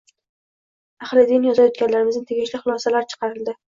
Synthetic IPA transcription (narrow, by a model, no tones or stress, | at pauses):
aχlɪd̪ɪnjɒzajɒt̪ɡʲanlaɾɪmɪznɪt̪ʰeɡʲɪʃlɪχʊlˠɒsalaɾt͡ʃʰɨ̥qɑɾɪld̪ɪ